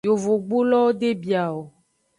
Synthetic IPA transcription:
jo˨vo˨ɡ͡bu˦lɔ˦wo˦ɖe˦bi˨a˨wo˨

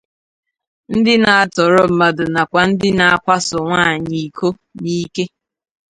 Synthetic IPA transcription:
n̩˦dɪ˦na˨a˨tɔ˨ɾʊ˦m̩˨ma˨dʊ˨na˨kʷa˨n̩˦dɪ˦na˨a˦kʷa˦sʊ˨ŋʷa˦˨ɲi˨kʰo˦ | ni˦ke˦

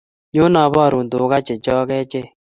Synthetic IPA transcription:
ɲo˦na˨˦βɔ˦˨ɾo˨ndo˨˦ɣa˦t͡ʃe˨t͡ʃɔ˦ɣɛ˦t͡ʃe˦

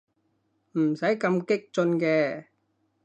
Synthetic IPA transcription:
m̩˨˩sɐ˨˥jkɐ˧mkɪ˥k̚t͡sɵ˧nkɛː˧

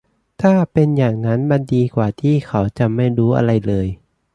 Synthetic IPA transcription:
t̪ʰaː˥˩pe˧njaː˨˩ŋna˦˥nma˧ndiː˧kwaː˨˩t̪ʰiː˥˩kʰa˩˦wt͡ɕa˨˩ma˥˩jɾuː˦˥ʔa̰˧ɾa˧jlɤː˧j

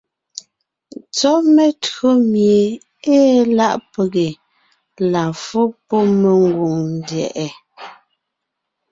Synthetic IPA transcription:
t͡sɔ˦ʔme˨to˦mje˨ | eː˦la˦˨ʔpe˨ɡe˨ | la˨fo˦pɔ˦me˨ŋɡwu˨ŋn˦dɛ̰˨ʔɛ˨

